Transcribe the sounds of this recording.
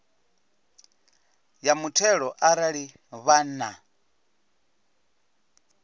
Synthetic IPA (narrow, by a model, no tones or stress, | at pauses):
jamutʰɛɺɔʔaɾaɺi | βana